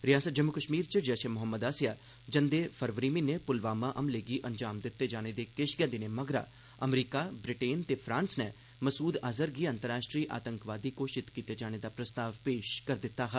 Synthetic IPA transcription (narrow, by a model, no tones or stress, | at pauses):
ɾɪjaːsəd͡ʒəmːʊkəʃmiːɾt͡ʃəd͡ʒɛʃeːmʊɦəmːəd̪aːsjaː | d͡ʒənd̪eːpʰəɾʋɾiːmiːnepʊlʋaːmaːʔəmleːɡiːʔəɲd͡ʒaːmd̪ɪt̪ːeːd͡ʒaːɽ̃ed̪eːkɪʃɡɛ̃ːd̪ɪneːməɡɾa̰ː | əmɾiːkaːbɾɪʈeːnt̪eːpʰɾãːnsnɛ | məsuːd̪aːzəɾɡiːə̃nt̪əɾaːʃʈɾiːʔa̰ːt̪əŋkʋaːd̪iːkoːʃɪt̪kiːt̪eːd͡ʒaːɽ̃ed̪aːpɾəst̪aːʋpeːʃkəɾd̪ɪt̪ːaːɦa